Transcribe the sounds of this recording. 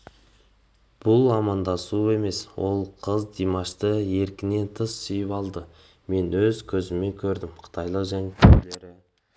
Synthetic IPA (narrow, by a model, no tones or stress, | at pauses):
b̥ʊlˠɑmɑnd̪ɑsue̞me̞swo̞lˠqʰəzd̪imɑʃt̪əe̞ɾkʲɪne̞nt̪ʰəsːʏjəpɑlˠd̪ə | me̞nwɵzkʲʰɵzɪme̞ŋkʲʰɵɾd̪ɪmqʰə̥t̪ʰɑjlˠəqʒæŋt̪ʲʰeɾle̞ɾɪ